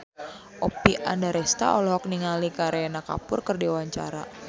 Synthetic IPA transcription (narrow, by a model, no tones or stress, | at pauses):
ʔɔpiʔandaɾɛst̪a̰ʔɔlɔɦɔk̚niŋalikaɾenaka̰pʊrkərdiwaɲt͡ʃa̰ɾa̰